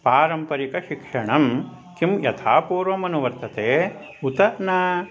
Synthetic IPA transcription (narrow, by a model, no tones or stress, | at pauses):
paːɾɐmpɐɾikɐʃikʂɐɳɐm | kimjɐt̪ʰaːpuːɾʋɐmɐnuʋɐɾt̪ɐt̪eː | ut̪ɐʔnɐ